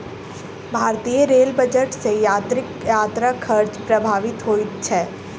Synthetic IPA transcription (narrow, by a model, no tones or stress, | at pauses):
bʱaːɾt̪ijəɾeːlbəd͡ʒəʈsejaːt̪ɾɪkjaːt̪ɾakʰəɾd͡ʒpɾɐbʱaːʋɪt̪ɦoːit̪t͡ʃʰɛː